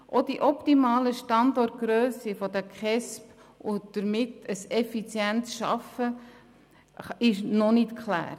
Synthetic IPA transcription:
ʔod̥iʔɔptimɑːləʃtɑndɔrt̚ɡ̥ɾøːsifɔdəkχɛsp | ʊd̥əɾmɪtəsɛfit͡sjɛnsʃɑ̰fə | ɪʃnɔnɪtkʰlæ̰ːɾ

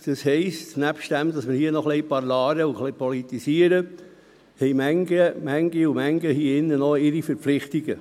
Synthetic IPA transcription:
d̪̥ɑshɛɪstnæpʃtd̥æmd̥ɑsmɪɾhiːənɔχlijpɑɾlɑːɾəuχlipɔlit̪isiəɾə | hɛɪmæŋɡəmæŋɡiumæŋɡəhiɪnːənɔɪɾifəɾpflɪχt̪iɡə

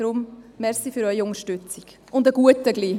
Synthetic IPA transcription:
ɾʊmmɛɾsifyɾœʏiʊŋəʃtʏt͡sik | ʊndəɡ̥uətəɡliː

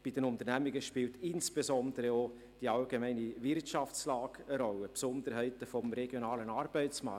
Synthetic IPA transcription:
b̥id̥ənʊnt̪əɾnæmiɡəʃpiːltɪnsb̥ezɔndəɾəo | d̥iɑlɡemɛɪnivɪrtʃɑft͡slɑːɡ̥əɾɔləpsɔnd̪əɾɦɛɪtəfɔmɾɛɡ̥jonɑːlənɑːɾb̥ɛɪt͡smɑ̰ː

